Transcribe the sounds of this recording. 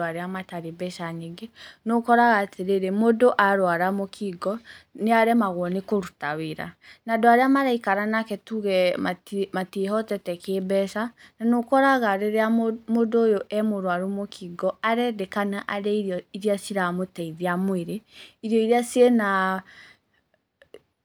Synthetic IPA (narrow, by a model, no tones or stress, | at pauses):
aɾeamataɾebɛʃaɲeɡenokɔɾaɣatʰeɾeɾemodoʔaɾwaɾamokʰiɡɔneaɾɛmaɣwɔnekoɾutaweɾa̰nadoaɾeamaɾaikaɾanakɛtuɣɛmamateɦɔtɛtɛkebɛʃananokɔɾaɣaɾeɾeamodoːjoʔɛmoɾwaɾumokʰiɡɔaɾɛdekanaʔaɾɛiɾjɔiɾiasiɾamotɛiðiamoeɾeiɾijɔiɾasiena